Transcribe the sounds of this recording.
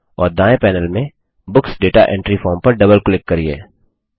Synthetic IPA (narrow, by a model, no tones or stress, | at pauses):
ɔ̰ːɾd̪aːẽpɛːnəlmẽ | bʊksɖeːʈaʔḛ̃ːɳʈɾifɔːɾmpɐɾɖɐbəlklɪkːɐɾiḛː